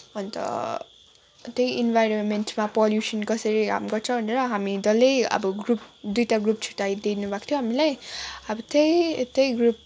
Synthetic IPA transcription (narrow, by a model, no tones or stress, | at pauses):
ʌnt̪ʌ̰ | t̪ejʔinbʱajɾonmenʈmapɔljusʌnkʌsʌɾika̰mɡʌrt͡sʰʌ̃w̃bʱʌneɾʌɦamid̪ʌlejʌ̰bʌɡrup̚d̪ujtaɡrup̚t͡sʰu̥ʈajd̪inubʱakt̪ʰijõɦamilajʌbʌt̪ejt̪ejɡrup̚